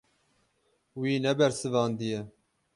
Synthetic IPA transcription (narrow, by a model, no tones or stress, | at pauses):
wiːnɛbɛɾsɨvɑːnd̪ɨjɛ